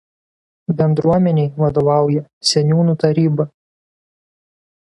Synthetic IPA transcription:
bʲɛnd̪ɾuɔmʲɛnʲɛɪʋɐd̪oʋɑˑʊjɛsʲɛnʲuːnut̪ɐɾʲiːbɐ

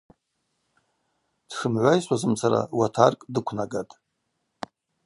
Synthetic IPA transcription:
d̥ʂɨmʕʷajsʷʼazɨmsʰaɾa̰watʰarkʼdɨkʷʰnaɡatʼ

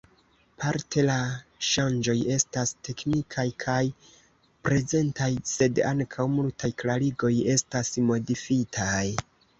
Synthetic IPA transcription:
pʰaɾtʰe̞laʃand͡ʒo̞je̞staste̞knikʰajkʰaj | pɾe̞ze̞ntajse̞daŋkʰawmultʰajklaɾiɡo̞je̞stasmo̞difitʰaj

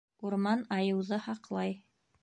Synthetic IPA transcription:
uɾmɑnɑjɤ̆wðɤhɑqlˠɑj

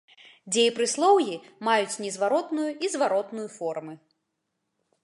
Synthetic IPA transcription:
d͡zʲejpɾɨslˠɔwjimajut͡sʲnʲɛzvaɾɔt̪nujuʔizvaɾɔt̪nujufɔrmɨ

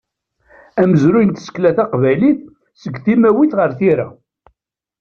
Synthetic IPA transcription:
æməzɾujənt̪ə̥sə̥kːlæθæqvæjliθ | səɡθimæwiθʁəɾθiɾa

